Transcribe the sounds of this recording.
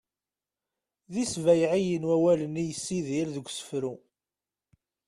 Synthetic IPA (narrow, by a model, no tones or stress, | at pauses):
ðisvæjʕijənwæwælənijəsːiðiɾðəɡʷsə̥fɾu